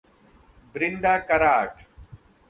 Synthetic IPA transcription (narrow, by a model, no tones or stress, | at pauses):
bɾɪnd̪aːkɐɾaːʈ